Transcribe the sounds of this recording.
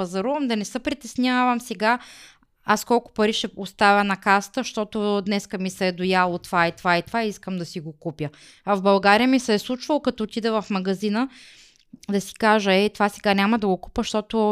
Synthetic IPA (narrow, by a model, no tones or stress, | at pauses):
ɐzɐɾuvɐmd̪ɐnɛsəpɾit̪ɛsnʲavɐmsɛɡa | askɔlˠkʊ̥pɐɾiʃɛost̪avʲənɐkast̪əʃt̪ɔt̪ʊd̪nɛskəmisɛd̪ʊjalˠot̪ovait̪ovait̪ovaiiskəmd̪ɐsiɡokupjə | ɐvbɐlˠɡaɾijəmisɛslˠut͡ʃvɐlˠokɐt̪ɔːt̪id̪ɛvɐfmɐɡɐzinə | d̪ɐsi̥kaʒəɛit̪ovasɛɡanʲamɐd̪ɐɡoku̥pəʃt̪ɔt̪ʊ